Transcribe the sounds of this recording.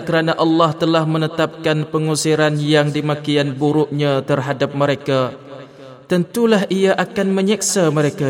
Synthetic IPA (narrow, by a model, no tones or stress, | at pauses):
kəɾanaʔɑlːɑht̪əlahmə̃nət̪ap̚kanpəŋusiɾanjaŋdimakianbuɾʊʔɲãt̪ərɦadap̚məɾeka | t̪ənt̪ulaɦʔijaʔakanmə̃ɲɛk̚saməɾeka